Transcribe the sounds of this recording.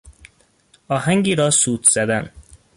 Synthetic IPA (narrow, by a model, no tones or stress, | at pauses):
ɒɦæŋɡiɾɒsuːt̪z̥ɛd̪æn